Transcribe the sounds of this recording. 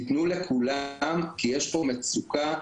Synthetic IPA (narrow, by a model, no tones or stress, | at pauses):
it̪nulekʰulamkijeʃbomet͡suka